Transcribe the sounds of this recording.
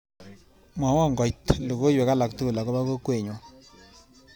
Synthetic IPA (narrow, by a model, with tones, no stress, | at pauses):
mwa˨wɔ˦˨ŋɡɔ˨jtlo˨ko˦jwɛ˨ka˦la˨ktu˦˨la˨kɔ˦ba˦ko˦kwe˨ɲwɔ˨